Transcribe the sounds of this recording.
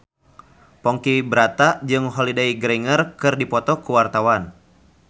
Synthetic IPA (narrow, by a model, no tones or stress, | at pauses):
pɔŋkibəɾat̪aʔd͡ʒɨŋɦɔlidaiɡɾɛŋərkɨrdipɔt̪ɔkuwart̪awan